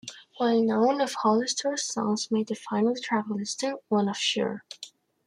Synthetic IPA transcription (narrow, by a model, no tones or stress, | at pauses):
waɪlnõʊ̃nʌv̥hɑlˠɨstʰə˞sɔ̰̃nzmeɪd̪̚ðɨfãɪ̃nl̩ˠtʰɹ̥ævl̩ˠɪstɨwʌ̃nʌfʃʊ̰ɹ